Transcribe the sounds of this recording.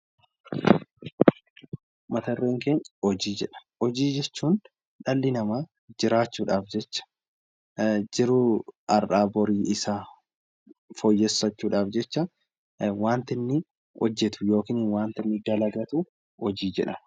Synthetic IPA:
mɐt̪ɐrːeːŋkeːɲhɔd͡ʒiːd͡ʒɛᶑɐ̥ | ɔd͡ʒiːd͡ʒɛt͡ʃːuːn | ᶑɐlːɪnɐmaː | d͡ʒɪɾaːt͡ʃːuːᶑaːfd͡ʒɛt͡ʃːɐ̥ | d͡ʒɪɾʊɐrʔaːbɔɾiːɪsa | fɔjːɛsːɐt͡ʃːuːᶑaːfd͡ʒɛt͡ʃːɐ | waːnt̪ɪnːɪ | ɔd͡ʒːɛt̪ʊ̥jo̞ːkɪːnɪnwaːnt̪ɪnːɪd̪ɐlɐɡɐt̪ʊ | hɔd͡ʒiːd͡ʒɛᶑɐ̰n

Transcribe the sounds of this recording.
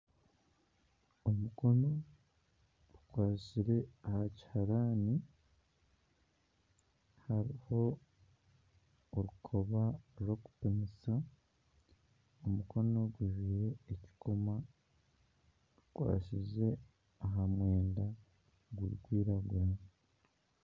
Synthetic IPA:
omuko̞no̞ | ukwaːciɾe̞ahaci̥haɾaːni | haɾiho̞ | oɾukʰo̞βaɾo̞ku̥pemisa | omuko̞no̞ɡwiʒiɾe̞ːci̥kʰoma | ukwa̰ːʃize̞ | aɦamwe̞ːnda | ɡwuḭkwiːɾaɡuno

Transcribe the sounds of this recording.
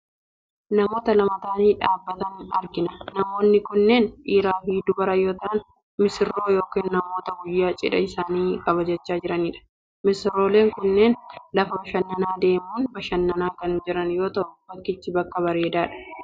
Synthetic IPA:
nɐmo̞ːt̪ɐlɐmɐt̪aːniːᶑaːbːɐt̪ɐnɐ̰ɾɡɪnɐnɐmo̞ːnːɪkʊnːeːnʔiːɾaːfiːd̪ʊbɐɾɐjo̞ːt̪ɐʔɐn | mɪsɪrːo̞ːjo̞ːkeːnːɐmo̞ːt̪ɐɡʊjːaːt͡ʃʼɪ̰ᶑɐ̰ɪsaːniːkʼɐβɐd͡ʒɐt͡ʃːaːd͡ʒɪɾɐniːᶑɐ̥ | mɪsɪrːo̞ːle̞ːŋkʊnːeːnlɐfɐbɐʃɐnːɐnaːd̪e̞ːmuːnbɐʃɐnːɐnaːkɐnd͡ʒɪɾɐnjo̞ːt̪ɐʔʊb̥ɐkːɪt͡ʃːɪbɐkːɐβɐɾe̞ːd̪aːᶑɐ̥

